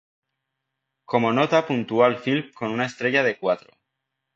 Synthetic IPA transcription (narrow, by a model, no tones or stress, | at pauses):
ko̞mo̞no̞t̪apunt̪ualfilko̞nunaest̪ɾe̞ʝaðe̞kwat̪ɾo